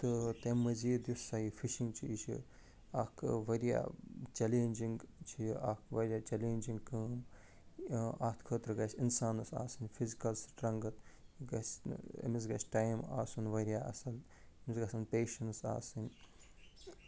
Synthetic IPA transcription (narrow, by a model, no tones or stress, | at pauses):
t̪ɨt̪emːɐziːd̪jussaɦifʰiʃiŋɡt͡ʃʰiit͡ʃʰḭ | ɐkʰʋɐɾija̰ːt͡ʃɐleːnʲd͡ʒiŋɡt͡ʃʰiʔɐkʋɐɾʲjaːt͡ʃɐleːnʲd͡ʒiŋɡkɐːm | aːt̪ʰkʰəːt̪ɾɡɐsʲinsaːnɐsa̰ːsɨnʲfʰizikɐlsʈɾɐŋɡɐt̪ɡɐsɐ̰misɡɐsʲʈaːjma̰ːsunʋɐɾijaːɐ̰sɐl | misɡɐsɐnpeːʃɐnsa̰ːsɨnʲ